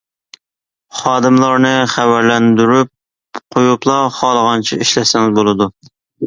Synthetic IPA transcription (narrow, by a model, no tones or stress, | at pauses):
χɑːd̪ɨmlˠɑɾnɨχæwæɾlɛnd̪yɾyp̚ | qʰojuplˠɑχɑːlˠəʁɑnt͡ʃʰiiʃlɛsɪŋɪzbolˠɨd̪u